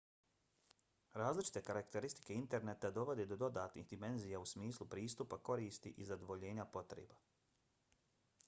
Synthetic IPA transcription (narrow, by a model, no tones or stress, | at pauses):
ɾaːzlit͡ʃi̥t̪e̞kaɾakt̪e̞ɾist̪i̥ke̞int̪e̞ɾnet̪ad̪o̞ʋo̞d̪ed̪o̞d̪o̞d̪aːt̪nḭhd̪ime̞nzijausmiːslˠupɾiːst̪upako̞ɾiːst̪iʔizad̪o̞ʋo̞ʎe̞ːɲapo̞t̪ɾḛːba